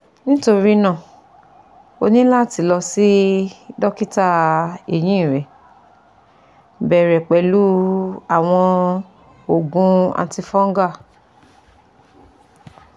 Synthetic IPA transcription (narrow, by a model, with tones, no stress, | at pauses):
nĩ˦to˧ɾi˦nã˦˨ | o˧nĩ˦la˦˨ti˨˧˦lɔ˧si˦dɔ˦ki˦ta˦e˨j̃ĩ˦˨ɾɛ˨ | bɛ˨ɾɛ˨k͡pɛ˨lu˦a˨w̃ɔ̃˧ | o˨ɡũ˧ã̰˧ti˧fɔ̃˦ŋ˦ɡa˦˨